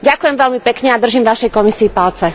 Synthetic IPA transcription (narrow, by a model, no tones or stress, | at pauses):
ɟakujɛmʋɛlmipɛkɲɛad̪r̩ʒimʋaʃɛjkɔmisiːpalt͡sɛ